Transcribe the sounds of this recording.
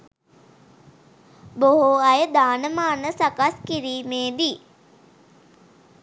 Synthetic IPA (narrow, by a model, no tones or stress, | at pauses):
boɦoɐjəd̪aːnəmaːnəsakaskiɾiːmeːd̪i